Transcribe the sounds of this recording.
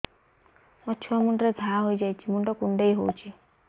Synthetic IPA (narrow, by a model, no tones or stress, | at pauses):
mɔt͡ʃʰuɔmuɳʈɾeɡʱaɦojd͡ʒajt͡ʃʰimuɳʈɔkuɳɖeijɦowt͡ʃʰi